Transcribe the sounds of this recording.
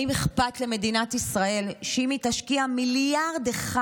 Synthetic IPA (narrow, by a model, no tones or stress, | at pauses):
imeχpatle̞me̞dinatisʁae̞lʃeimitaʃkiamiljaʁd̪eχa